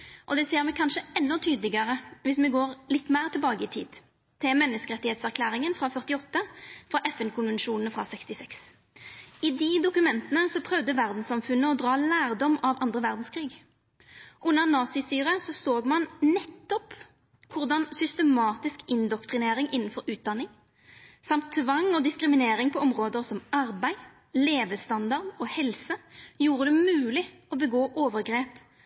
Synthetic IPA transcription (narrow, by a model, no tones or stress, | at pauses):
ʔɔd̪ɛseːʁmɛkʰɑnʂəɛnːɔt̪ʰyːd̪lɪɡəʁəʋɪsmɛɡoːʁlɪt̪ːmæːʁt̪ʰɪlbɑːɡəɪt̪ʰḭːd̪ | t̪ʰɪlmɛnːəskəʁɛt̪ːɪheːt̪sæʁkʰlæːʁɪŋənfɾɑfœʁt̪ɪɔt̪ːəfʁɑʔɛfɛnkʰʊnʋɛnʂuːnn̩fʁɑ̰sɛkst̪ɪsɛks | ɪd̪ɪd̪ʊkʉmɛnt̪ənəsɔpʰʁœʋd̪əʋæʁd̪n̩sɑmfʉnːəɔd̪ʁɑːlæːʁd̪ɔmɑʋɑnd̪ʁəʋæʁd̪n̩skʰɾiːɡ | ʔʉnːəʁnɑːsɪsyːʁəsɔsoːɡmɑnnɛt̪ːɔp | kʰʊʁd̪ɑnsʏst̪əmɑːt̪ɪskɪnd̪ɔkt̪ʁɪneːɾɪŋʔɪnn̩fɔɾʉːt̪̚d̪ɑnːɪŋ | sɑmt̪ʰːʋɑŋɔːd̪ɪskɾɪmɪneːɾɪŋpʰɔɔmʁoːd̪əʁsɔmɑʁbæɪ | leːʋəst̪ɑnd̪ɑʁd̪ɔːhɛlsəjuːɾəd̪ɛmʉːlɪ | ɔbəɡoːʔoːʋəʁɡʁeːp